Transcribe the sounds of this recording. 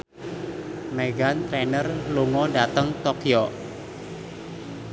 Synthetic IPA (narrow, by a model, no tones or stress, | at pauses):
meɡant̪ɾɛnərluŋɔdat̪əŋt̪ɔkjɔ